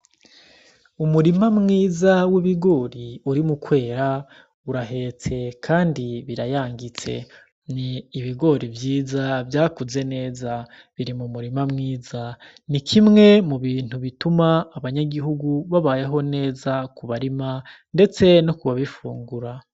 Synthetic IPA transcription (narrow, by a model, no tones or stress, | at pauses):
umuɾimamŋiːzawiβiɡo̞ːɾiuɾimukwe̞ːɾa | uɾaɦe̞ːt͡se̞kʰaːndiβiɾajaːŋɡit͡se̞̰ | niːβiɡo̞ɾivjiːzavjaːkuze̞ne̞ːza | βiɾimumuɾimamŋiːza | nikʰimŋe̞muβiːn̥huβitumaːβaɲaɡiɦuɡuβaβaːje̞ɦo̞ne̞ːzakuβaɾima | nde̞t͡se̞no̞kuβaβifṵːŋɡuɾa